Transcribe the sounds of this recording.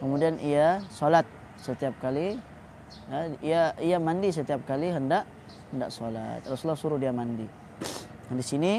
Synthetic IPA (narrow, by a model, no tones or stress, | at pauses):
kəmudianiasolat̪̚ | sət̪iap̚kali | jaiaiamandisət̪iap̚kaliɦəndaʔ | hənda̰ʔsɔla̰t̪̚rɔsulːahsuɾudiamandi | adisini